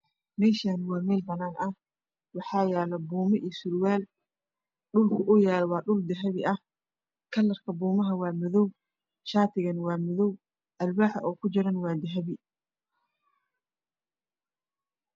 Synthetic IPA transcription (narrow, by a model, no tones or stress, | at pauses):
mɛːʃanwɑːmɛːlbɐnaːnɐh | wɑħɑːjaːlɐbuːmɐʔijsʊɾwaːl | ɗʊlkʰʊʔʊjaːlwɑːɖʊld̪ɛɦɐβɪʔɐh | kʰɐlːɐrkʰɐbuːmɐɦɐwɑːmʊðɔw | ʃaːt̪ʰɪɣɐnwɑːmɔðɔw | ʔɐlbaːħɐʔɔːkʰʊd͡ʒɪɾɐnwɑːd̪ɛɦɐβɪ